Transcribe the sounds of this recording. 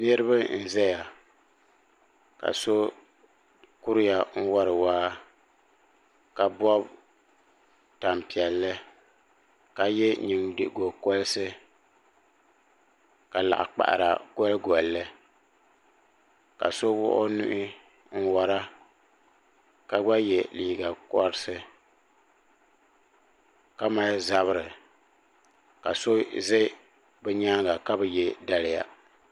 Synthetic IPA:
nɨ˦ɾɨ˦βa˦n̩˨zɛ˦ja˨ | ka̰˨so˦ | ku˦ɾɪ˦ja˨ŋ̩˦wɔ˦ɾɨ˨waː˦ | ka˨bɔ˦b | ta˨m˨pi˨ɛ˨lːɨ˦ | ka˨jɛ˦ɲi˨ŋdɨ˨ʔɡo˨kɔ˦lsɨ˦ | ka˨la̰˨ʔa̰˨k͡pa̰˨ʔa̰˨ɾa̰˨ɡɔ˦lɡɔ˨lːɨ˦ | ka̰˨so˦wʊ̰˦ʔʊ̰˦nu˦ʔɪ˦ | n̩˦wa˨ɾa˦ | ka˨ɡ͡ba˦jɛ˨liː˨ɡa˨kɔ˦ɾɨ˦sɨ˦ | ka˦ma˦za˦βɨ˦ɾɨ˨ | ka˨so˦zɨ˦ | bɛ˦ɲaː˦ɡa˨ka˦bɨ˨jɛ˦da˦lɪ˦ja̰˨

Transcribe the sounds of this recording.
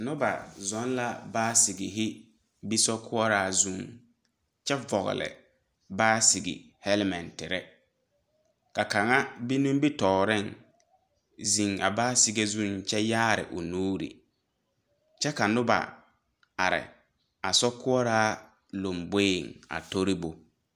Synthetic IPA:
nʊ˦ba̰˨zɔ˨˦n˦la˦baː˦sɪ˨ɡɪ˨ɦɪ˦ | bi˦sɔ˦kʰʊ˦ɔ˦ɾaː˦zu˦ŋ | t͡ʃɛ˦vɔ˨ɣɪ̰˨lɪ̰˨ | baː˦si˨ɡɪ̰˨ | hɛ˦lmɛ˨ntɪ˨ɾɛ˦ | ka˨ka˨ŋa˦bi˦nũ˦mbi˦tɔː˨ɾɪ˦˨ŋ | zi˨ŋa̰˨baː˦si˨ɡe˦zũ˦ŋt͡ʃɛ˦jaː˦ɾɪ̰˨ʔʊ˨nuː˦ɾḭ˨ | t͡ʃɛ˦ka˨nʊ˦ba̰˨ | a̰˨ɾɪ̰˨ | a̰˨sɔ˦kʊ˦ɔ˦ɾaː˦ | lo˨mbe˦˨ŋa̰˨to˦ɾi˦bo˨

